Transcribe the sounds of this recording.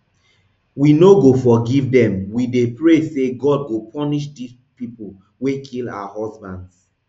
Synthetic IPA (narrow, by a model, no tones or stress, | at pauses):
winoɡofɔɡivdɛ̃mwidepɹeseɡɔd̚ɡopʰɔniʃ̬dis | pipul | wekʰila̰wahɔsbãnds